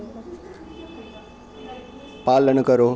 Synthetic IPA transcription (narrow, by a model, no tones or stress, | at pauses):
palənkʌɾo